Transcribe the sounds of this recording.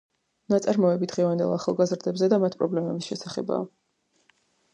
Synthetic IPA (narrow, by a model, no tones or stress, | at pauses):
nat̪sʼaɾmɔɛbid̪ʁɛvand̪ɛ̰lˠaχa̰lˠɡazɾd̪ɛbzɛd̪amat̪ʰpʼɾɔblɛmɛbisʃɛsaχɛ̰ba̰